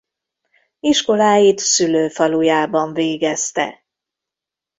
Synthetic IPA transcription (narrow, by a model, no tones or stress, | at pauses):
iʃko̞laːjit̪syløːfɒlujaːbɒɱveːɡɛst̪ɛ̰